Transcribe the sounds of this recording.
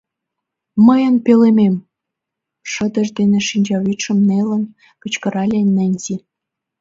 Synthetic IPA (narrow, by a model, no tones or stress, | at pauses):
məjənpelemem | ʃə̆d̪ə̆ʒd̪enĕʃinʲd͡ʑɑβit̪ʃə̆mnelə̆n | kə̆t͡ɕkə̆ɾɑlʲenːæ̆nʲzi